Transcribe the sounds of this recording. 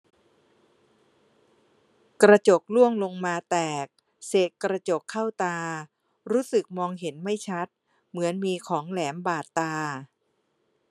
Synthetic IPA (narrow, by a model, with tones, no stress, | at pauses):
kɾa˧t͡ɕo˨˩k̚lu˥˩əŋlo˧ŋmaː˧t̪ɛː˨˩k̚ | seː˨˩t̪̚kɾa˧t͡ɕo˨˩kʰːa˥˩wt̪aː˧ | ɾuː˦˥sɯ˨˩k̚mɔː˧ŋɦe˩˦nma˥˩jt͡ɕʰa˦˥t̪̚ | mɯ˩˦ənmiː˧kʰɔː˩˦ŋlɛː˩˦mbaː˨˩t̪ːaː˧